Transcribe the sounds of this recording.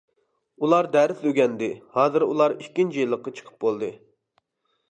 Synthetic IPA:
ulˠɑɾd̪ɛɾsøɡʲɛnd̪ɪhɑːzɨɾṵlˠɑɾikʲːint͡ʃijilˠːəqːɑt͡ʃʰə̥qʰə̥p̚bolˠd̪ɨ

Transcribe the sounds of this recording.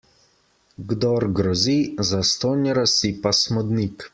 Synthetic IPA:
ɡd̪ɔɾɡɾɔzizast̪oːnʲjɛɾasipasmɔd̪nik

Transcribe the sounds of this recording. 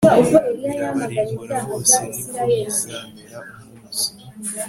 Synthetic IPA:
aovoeɾjajamaɡaɲitanoɡaesiɾajeli

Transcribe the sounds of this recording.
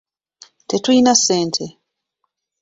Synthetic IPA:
te̞tuinase̞ːntʰe̞

